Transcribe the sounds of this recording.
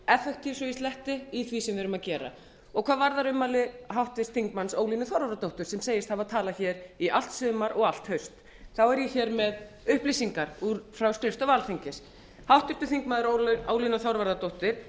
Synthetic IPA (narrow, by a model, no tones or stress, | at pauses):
ɛfɛkt̪ʰivsɔjist̪lɛht̪ɪiθvisɛmvɪɾʏmaðcɛːɾa̰ | ɔɣkʰvaːðvaɾðaɾʏmːalɪɦawht̪vɪst̪θiŋkmansoːwlinʏθawɾvaɾðat̪owht̪ʏɾ̥sɛmseːjɪst̪havaðt̪ʰaːlaçɛːɾiʔal̥t̪sʏːmaɾʔɔɣal̥t̪hœɥst̪ | θawɛɾjɛçɛːɾmɛð | ʏhplisiŋkaɾ̥uɾfɾawskɾɪft̪ɔvaːlθiɲcɪs | hawht̪vɪ̥t̪ʏθiŋk̚maːðʏɾoo̰wlinaθawɾvaɾðat̪owht̪ɪɾ̥